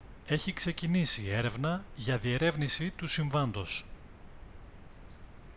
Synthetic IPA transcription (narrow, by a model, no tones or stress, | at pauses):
e̞çikse̞cinisie̞ɾe̞vnɐʝɐðie̞ɾe̞vnisit̪usiɱvɐnd̪o̞s